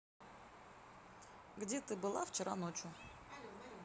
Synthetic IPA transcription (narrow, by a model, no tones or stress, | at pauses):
ɡdʲet̪ɨbɨlˠaft͡ɕɪɾa̰not͡ɕʊ